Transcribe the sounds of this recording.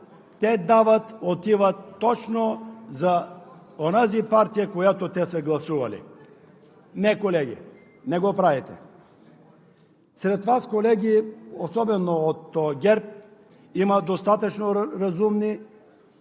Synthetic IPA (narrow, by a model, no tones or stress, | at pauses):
t̪ɛd̪avɐt̪ot̪ivɐt̪ːɔt͡ʃnoza | onazipaɾt̪ijakojat̪ot̪ɛsɛɡlˠɐsuvɐlḭ | nɛkolɛɡʲḭ | nɛɡopɾavɛt̪ɛ̰ | sɾɛt̪vaskolɛɡʲiosɔbɛnoot̪ːɔɡʲɛɾp̚ | imɐd̪ost̪at̪ɐt͡ʃnoɾɐzumni